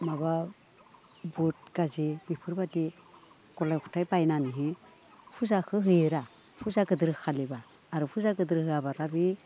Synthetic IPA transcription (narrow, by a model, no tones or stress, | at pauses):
maba | bɔt̚ɡ̥azebipʰɯɾbati | kɔlajkʰu̥tʰajpajnanɯɦi | pʰuzakʰɯɦɯjɯɾa | pʰuzaɡɯdɯɾɯkʰalibaː | ɾupʰuzaɡɯdɾɯɦɯjabaɾabi